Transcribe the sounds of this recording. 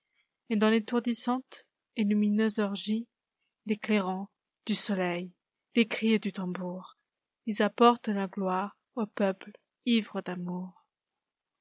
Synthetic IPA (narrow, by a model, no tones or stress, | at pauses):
ed̪ɑ̃let̪uʁd̪isɑ̃t̪ | elyminøzɔʁʒi | d̪ekleʁɑ̃ | d̪̥ysɔlɛj | d̪̥ekχid̪yt̪ɑ̃buʁ | ilzapɔʁt̪laɡlwaʁ | opœpl | ivʁəd̪amuʁ